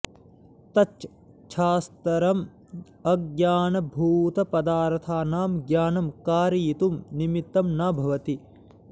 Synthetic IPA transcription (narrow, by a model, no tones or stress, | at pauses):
t̪ɐ | t͡ʃʰaːst̪ɐɾɐm | ɐɡjaːnɐbʱuːt̪ɐpɐd̪aːɾt̪ʰaːnaːmɡjaːnɐmkaːɾiːt̪umnimit̪ːɐmnaːbʱɐʋɐt̪i